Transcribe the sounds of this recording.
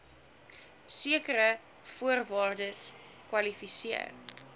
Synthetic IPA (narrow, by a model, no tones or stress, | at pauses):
siəkəɾə | fuərvɑːrdəs | kwɐlifisiə̰r